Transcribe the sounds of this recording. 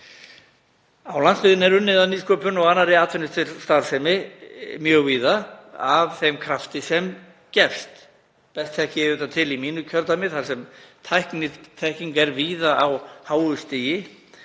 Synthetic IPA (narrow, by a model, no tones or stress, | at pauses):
awlansfɪðɪnɛɾʏnːɪðaniːskœːpʏnɔɣanːaɾɪat̪fɛnːɪst̪ʰɪlst̪aɾ̥sɛmɪmjœɣviːðaavθejmkʰɾaft̪ɪsɛm | cɛfst̪ | pɛst̪θɛhcɪɛɾʏt̪at̪ʰɪlimiːnʏcʰœɾt̪amɪθaɾsɛmt̪ʰajhknɪt̪ʰːɛhciŋkɛɾviːðaʔawhaːwʏst̪iːjɪ